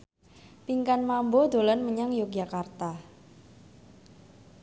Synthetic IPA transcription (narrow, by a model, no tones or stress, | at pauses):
piŋkanmambod̪̥o̤lɔnməɲaŋjok̚d͡ʒakart̪a